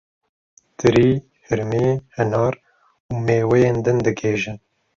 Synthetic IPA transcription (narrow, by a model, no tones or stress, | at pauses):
t̪ɨɾiː | hɨɾmihɛnɑːɾ | uːmeːwɛjeːnd̪ɨnd̪ɨɡeːʒɨn